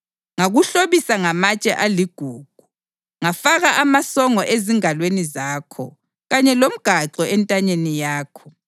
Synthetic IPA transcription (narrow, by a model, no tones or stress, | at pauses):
ŋaɣuɬoβisaŋamat͡ʃʼɛʔaliɡ̥ʱuːɡ̥ʱu | ŋafaɣaʔamasɔŋɔʔeziŋalwenizaːkʰɔ̰ | ɣaɲɛlom̩ɡ̥ʱaǁɔɛntʼaɲenijaːkʰɔ